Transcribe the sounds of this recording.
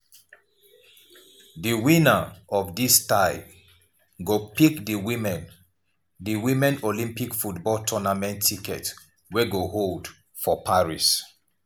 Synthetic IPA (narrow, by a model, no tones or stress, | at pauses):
dəwĩnəɔvdistaɪb | ɡopikdəwĩmɛ̃n | dəwĩmɛ̃nolĩmpikfutbɔltʰɔnamɛ̃ntʰːikɛ̰t | wɛɡoɦold | fɔpʰaɹis